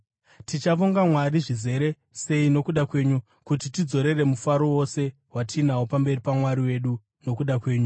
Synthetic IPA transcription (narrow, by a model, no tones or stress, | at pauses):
tit͡ʃaʋoŋɡamwariʐize̞ɾe̞ | se̞ino̞kuɗakwe̞ːɲu | kut̬itid͡zo̞ɾe̞re̞mufaɾo̞wo̞se̞ | watiːnawopambe̞ripamwaɾiwe̞ɗu | no̞kuɗakwe̞ːɲu